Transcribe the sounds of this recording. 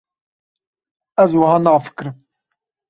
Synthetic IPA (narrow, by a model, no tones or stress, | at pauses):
æzwhanəʁfə̥kːɾəm